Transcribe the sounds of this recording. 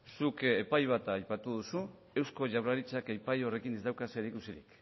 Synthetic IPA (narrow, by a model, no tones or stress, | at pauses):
suke̞pajβ̞at̪aːjpat̪uðusu | e̞wsko̞ʝawɾaɾit͡ʃakajpajo̞re̞kinezd̪awkase̞ɾikusiɾḭk